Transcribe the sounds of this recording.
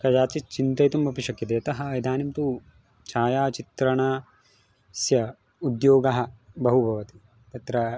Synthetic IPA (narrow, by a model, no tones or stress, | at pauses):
kɐd͡ʒaːt͡ʃit͡ʃint̪ɐjt̪umbɐpiʃɐkjɐt̪eːɐt̪ɐɦɐ̆jd̪aːnimt̪u | t͡ʃaːjaːt͡ʃit̪ɾɐɳaː | sjɐ | ud̪joːɡɐɦɐ̆bɐɦubʱɐʋɐt̪i̥ | t̪ɐt̪ɾɐ